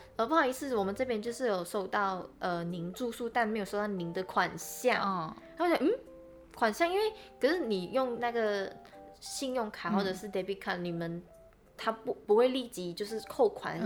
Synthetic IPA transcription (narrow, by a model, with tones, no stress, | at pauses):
ə˧˩pʰɑ˧˩˧i˧t͡sʰɹ̩˥˩˨wɔ˨˩mə˨˦nʈ͡ʂɤ˥˧p̬jɛ˥nt͡ɕjo˥˧ʊʂɻ̩˥˩jo˨˩ʊʂo˥˧ʊt̪ɑ˥˩ʊʔə˧ni˧˥ŋʈ͡ʂu˥˧su˥˧t̪a˥˩nme˧˥ɪjo˨˩ʂo˥˧ʊt̪ɑ˥˩ni˧˥ŋd̪ə˧kʰwa˨˩nɕjɑ˥˩ŋŋa˧˥˩ja˨˧m̩˥˩ | kʰwa˨˩nɕjɑ˥˧ŋi˥nwe˥˩ɪkʰə˨˩ʂɻ̩˥˩ni˨˩jʊ˥˧ŋna˥˩ɡə˩ | ɕi˥˧njʊ˥˩ŋkʰa˨˩˦xwɔ˥˩ʈ͡ʂɤ˨˩ʂɻ̩˥˩d̪e˧˥pi˧˥kʰa˥˩nni˨˩mə˦n | t̪ʰa˥pu˧˥pu˧˥xwe˥˧ɪli˥˩t͡ɕi˧˥t͡ɕjo˥˧ʊʂɻ̩˥˧kʰo˥˩ʊkʰwa̰˧˦n